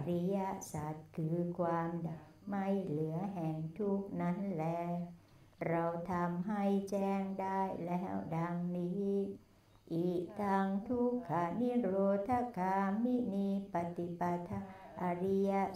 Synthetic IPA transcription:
ɾi˧˥ja˧˥ʔsaː˨˩t̪̚kʰɯː˧˦kʰwaː˧mda˨˩k̚ma˥˧˩jlɯ˨˦ɐɦɛː˨˩ŋt̪ʰu˦˥˩k̚na˦˥nlɛː˦˧˥ | ɾa˧wt̪ʰa˧mɦa˥˩jt͡ɕɛː˧˩ŋdaː˧˥˩jlɛ˦˥da˧ŋni˧˦ | ʔi˨˧˩ʔt̪ʰaː˧ŋt̪ʰu˦˥kʰːaː˨˧˩mi˦˥ɾoː˧t̪ʰːa˧˥kaː˧mːi˦˥niː˧pa˧t̪i˧˨pa˧t̪ʰa˧˥ | ʔa˧ɾi˧˥ja˦˧˥

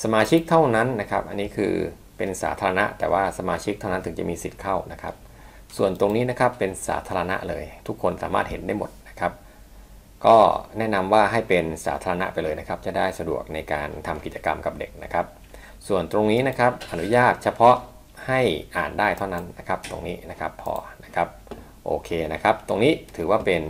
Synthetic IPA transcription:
sa˧maː˧t͡ɕʰi˦˥k̚t̪ʰa˥˩wna˦˥nːa˦˥kʰa˦˥p̚ʔa˧nːiː˦˥kʰɯ̰ː˧ | pe˧nsa̰ː˩˦t̪ʰaː˧ɾa˧na˦˥ʔt̪ɛ̰ː˨˩waː˥˩sa˧maː˧t͡ɕʰi˦˥k̚t̪ʰa˥˩na˦˥nt̪ʰɯ˩˦ŋt͡ɕa˨˩miː˧si˨˩t̪̚kʰa˥˩wna˦˥kʰa˦˥p̚ | su˨˩ənt̪o˧ŋniː˦˥na˦˥kʰa˦˥pːe˧nsa̰ː˦t̪ʰaː˧ɾa˧na̰˦˥ʔlɤː˧jt̪ʰu˦˥kʰːo˧nsa̰ː˩˦ma̰ː˥˩t̪̚he˩˦nda˥˩jmo˨˩t̪̚na˦˥kʰa˦˥p̚ | kɔː˥˩nɛ˦˥na˧mwaː˥˩ɦa˥˩jpe˧nsa̰ː˩˦t̪ʰaː˧ɾa˧na̰˦˥ʔpa˧jlɤː˧jna˦˥kʰa˦˥p̚t͡ɕa˨˩daː˥˩jsa˧du˨˩ək̚na˧jka̰ː˧nt̪ʰa˧mki˨˩t̚t͡ɕa˧ka̰˧mka˨˩p̚dḛ˨˩k̚na˦˥kʰa˦˥p̚ | su˨˩ənt̪ɾo˧ŋniː˦˥na˦˥kʰa˦˥p̚ʔa˧nu˦˥jaː˥˩t̪̚t͡ɕʰa˧pʰɔ˦˥ʔ | ha˥˩jʔa̰ː˨˩ndaː˥˩jt̪ʰa˥˩wna˦˥nːa˦˥kʰa˦˥p̚t̪o̰˧ŋniː˦˥na˦˥kʰa˦˥pʰːɔ̰ː˧na˦˥kʰa˦˥p̚ | ʔo̰ː˧kʰeː˧na˦˥kʰa˦˥p̚t̪o˧ŋniː˦˥t̪ʰɯː˩˦waː˥˩pe˧n

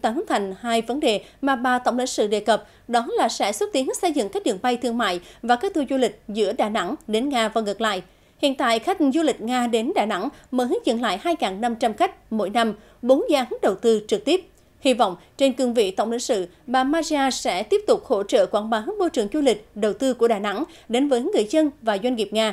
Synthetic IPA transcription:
t̪aː˨˩nɨ˨˦ŋt̪ʰa˨˩jŋ̟haː˧jvə˨˦nɗe˨˩ | maː˨˩ɓaː˨˩t̪ə˧˩wŋ͡mlḭ˧˥ŋ̟sɨ̰˧˨ɗe˨˩kə˨˩p̚ | ɗɔ˨˦laː˨˩sɛ̰˧˥swə˦˥t̚t̪i˨˦ə˦ŋsə˧jzɨ̰˧˨ŋkaː˦˥k̚ɗɨ̰˨˩əŋɓa˧jt̪ʰɨ˧əŋma̰ː˧˨jvaː˨˩kaː˦˥k̚t̪ʰu˧zu˧lï˨˩k̟̚zɨ̰˧˥əɗaː˨˩na̰˧˥ŋɗe˨˦nŋaː˧vaː˨˩ŋɨ˨˩k̚la̰ː˧˨j | hḭ˧˨ənt̪a̰ː˧˨jxa˦˥˨ŋzu˧lï˨˩k̟̚ŋaː˧ɗe˨˦nɗaː˨˩na̰˧˥ŋməː˨˦jɦï˨˦˥k̟zə̰˧˨nla̰ː˧˨jɦaː˧jŋaː˨˩ŋna˧mt͡ɕa˧mxa˦˥k̟̚mo̰˧˥jna˧m | ɓo˨˦nzaː˨˧˦ɦɨ˨˦˥ŋ̚ɗə˨˩wt̪ɨ˧t͡ɕɨ˨˩k̚t̪i˦˥əp̚ | hi˧vɔ̰˧˨wŋ͡m | t͡ɕe˧nkɨ˧əŋvḭ˧˨t̪ə˧˩wŋ͡mlḭ̈˧˥ŋ̟sɨ̰˧˨ | ɓaː˨˩maː˧zi˧aː˧sɛ̰˧˥t̪i˦˥əp̚t̪ʊ˨˩k͡p̚ho̰˧˥t͡ɕə̰ː˧˨kwaː˧˩nɓaː˨˦ɦ̚mo˧t͡ɕɨ˨˩əŋzu˧lï˨˩k̟̚ɗə˨˩wt̪ɨ˧ku˧˩əɗaː˨˩na̰˧˥ŋ | ɗe˨˦nvəː˨˦jŋːɨ˨˩əjzə˧nvaː˨˩zwa˧ŋ̟ŋi˨˩əp̚ŋaː˧

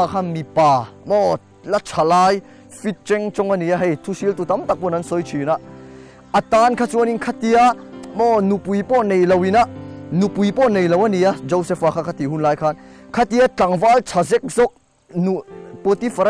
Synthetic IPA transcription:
a˧kʰa˧mi˨paː˨mɔ˧ | lɐ˦t͡sʰa˨laː˧j | fi˦t̚t͡ʃɛ˧ŋt͡ʃɔ˧ŋɐ˧ni˨a˦ɦɛ˧jt̪ʰu˦si˦lt̪u˨t̪ɐ˦mt̪a˨k̚pɔ˧nɐ˦nsɔ˧jt͡ʃʰi˨nɐ˧ | ɐ˨t̪a˧nkʰa˧t͡su˦ɐ˧ni˨nkʰa˦t̪i˧amɔnu˨pu˨jpɔ˦ne˨jlɐ˨wi˨nɐ˦nu˨pu˨jpɔ˦ne˨jlɐ˨wɐ˦ni˨ɐ˦d͡ʒɔ˧wse˧fa˨kʰa˧kʰa˧t̪i˨ɦu˦nlaː˧jkʰa˧nkʰa˦t̪i˧a˦t͡ɬɐ˨ŋva˦lt͡sʰa˨zɛ˦k̚zɔ˦k̚ | nu˨po˧t̪i˦fɐ˨ɾa

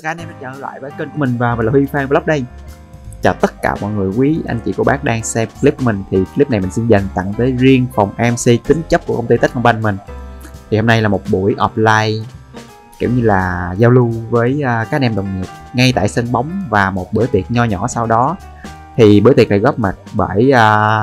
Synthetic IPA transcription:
xaː˧˦˧nʔɛ˧mɗaː˧t͡ɕə̰˧˩ŋ˨˦la̰ː˧˨jvəː˨˦jkəː˧nku˧˩əï˨˩ŋ̟vaː˨˩wmi˨˩nlːwi˧faː˧və˨˦lk͡p̚ɗə˧j | t͡ɕɔ˨˩t̪ə˦˥t̚ka̰ː˧˩mɔ̰˧˨jŋɨ˨˩əjkwi˨˦ʔa̰˧jŋ̟t͡ɕḭ˧˩ku˧˩˦ɓaː˦˥k̚ɗaː˧ŋsɛ˧mkli˦˥p̚ku˧˩˦mï˨˩ŋ̟t̪ʰi˨˩kli˦˥p̚na˨˩jmï˨˩si˧nza˨˩ŋt̪a̰˧˨ŋt̪əː˨˦jzi˧əŋfa˨˩wŋ͡mʔɛ˧msi˧t̪ï˨˦ŋ̟t͡ɕə˦˥p̚ku˧˩kə˧wŋ͡mt̪i˧t̪i˦˥k̚hɔ˧˩ŋ͡mɓa˧ŋmï˨˩ŋ̟t̪ʰi˨˩ho˧mna˧jlaː˨˩mo˨˩t̚ɓu˧˩əjʔɔ˨˩p̚laː˧j | kḭ˧˩˦wɲɨ˧laː˨˩zaː˧wlu˧vəː˨˦jʔːkaː˦˥k̚ɗɛ˧mɗə˨˩wŋ͡mɲi˨˩ət̚ŋa˧jt̪a̰ː˧˨jsə˧nɓa˨˦wŋ͡mvaː˨˩mo˨˩t̚ɓɨ˧˩ət̪i˨˩ət̚ɲɔ˧ɲɔ̰˧˩˦sa˧wɗɔ˨˦ | t̪ʰi˨˩ɓɨ˧˥ət̪i˨˩ək̚na˨˩ɣɔ˦˥p̚ma˨˩t̚ɓə˧˩jʔəː˧

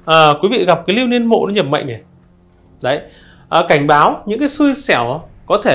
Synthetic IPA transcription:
ʔəː˨˩kwi˨˦vḭ˧˨ɣa˨˩p̚kaː˨˦jli˧wni˧ənmo̰˧˨nɔ˨˦ɲə˨˩p̚ma̰˧˨jŋʔə˨˩j | ɗə˨˦j | ʔəː˨˩ka˧˩jŋ̟ɓaː˨˦wɲɨ̰˧˥ŋkaː˨˦jsɨ˧jsɛ˧˩wkɔ˨˦t̪ʰe˧˩

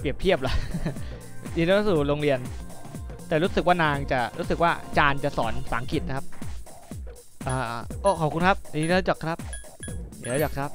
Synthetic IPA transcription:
pɾi˨˩əp̚t̪ʰi˥˩əp̚la˨˩ | jiː˧n˦˥˦suː˨˩ɾoː˧ŋɾi˧ən | t̪ɛː˨˩ɾuː˦˥sk̚waː˥˩naː˧ŋt͡ɕa˨˩ɾṵː˦˥sɯ˨˩k̚waː˥˩t͡ɕaː˧nt͡ɕa˨˩sɔː˩˦nsaː˩˦ŋkʰi˨˩t̪̚na˦˥kʰa˦˥p̚ | ʔaː˧˩ʔʔoː˧˩kʰɔː˨˩p̚ku˧nkʰa˦˥p̚a˨iː˦˥˦t͡ɕɔ˨˩kʰɾa˦˥p̚ | i˨˩˦t͡ɕɔ˨˩kʰɾa˦˥p̚

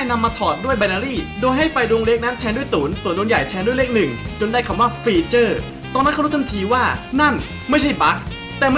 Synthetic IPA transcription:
jna˧mːaː˧t̪ʰɔː˨˩t̪̚du˥˩əjbɛ˧la˧ɾiː˥˩doː˧jɦa˥˩jfa˧jdu˧ŋle˦˥k̚na˦˥nt̪ʰɛː˧ndu˥˩jsuː˩˦nsu˨˩əndu˧nja˨˩jt̪ʰɛː˧ndu˥˩jle˦˥k̚nɯ˨˩ŋt͡ɕo˧ndaː˥˩jkʰa˧mwaː˥˩fiː˧t͡ɕɤː˥˩ | t̪ɔː˧nːa˦˥kʰa˥˨˦t̪ʰnt̪ʰiː˧waː˥˩na˥˩n | ma˥˩jt͡ɕʰa˥˩jba˦˥k̚ | t̪ɛː˨˩m˥

